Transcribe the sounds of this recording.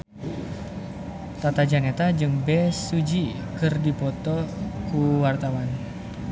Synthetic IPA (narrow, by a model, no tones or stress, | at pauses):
t̪at̪ad͡ʒaŋet̪ad͡ʒɨŋbɛsud͡ʒi | kərdipɔt̪ɔkuwart̪awan